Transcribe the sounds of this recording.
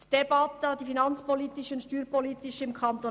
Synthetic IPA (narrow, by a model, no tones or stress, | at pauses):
d̥ebɑt̪ədifinɑnt͡spolit̪ɪʃʊntʃtyːɾpolit̪ɪʃɪmkʰɑnt̪o